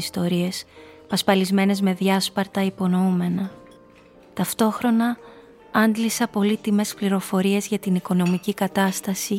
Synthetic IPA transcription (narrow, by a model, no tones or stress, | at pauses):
ist̪o̞ɾie̞spɐspɐlizme̞ne̞zme̞ðʝɐspɐɾt̪ɐipo̞no̞ume̞nɐ | t̪ɐft̪o̞xɾo̞nɐ | ɐnd̪lisɐpo̞lit̪ime̞spliɾo̞fo̞ɾie̞zʝɐt̪iniko̞no̞micikɐt̪ɐst̪ɐsi